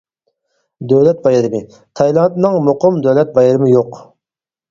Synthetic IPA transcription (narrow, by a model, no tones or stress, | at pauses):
d̪øwlɛt̪̚bɑjɨɾɨmɨ | t̪ʰɑjlˠɑnt̪nɨŋmoqʰʊmd̪øwlɛt̪̚bɑjəɾɨmɨjoq